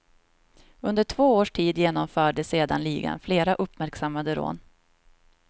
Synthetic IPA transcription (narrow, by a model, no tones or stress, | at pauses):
ɵnd̪əʈʰvoːoːʂʈʰiːd̪jeːnɔmfœːɖəseːd̪a̰nliːɡa̰nfleːɾaʔɵpːmæɾksamːad̪əɾo̰ːn